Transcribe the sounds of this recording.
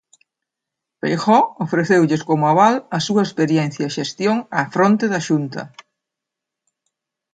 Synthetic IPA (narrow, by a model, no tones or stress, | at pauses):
fejxɔofɾeθewʎeskomʊaβalɐsuɐespeɾjɛn̟θjɐʃest̪joŋafɾont̪eðɐʃunt̪ɐ̰